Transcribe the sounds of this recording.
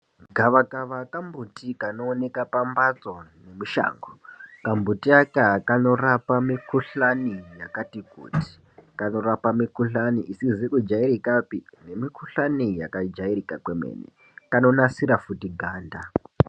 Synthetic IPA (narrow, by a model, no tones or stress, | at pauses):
ɡʱaʋakaʋakambʱutikanoːne̞kapambat͡so̞ne̞muʃa̰ːŋɡokambʱutiakakano̞rapamikuɬanijakatikṵːti̥ | kano̞ɾapamikuɬaniʔisizikud͡ʒaiɾikapine̞mikuɬanija̰kad͡ʒairikakwemḛːnḛ | kano̞nasiɾafutiɡʱaːnda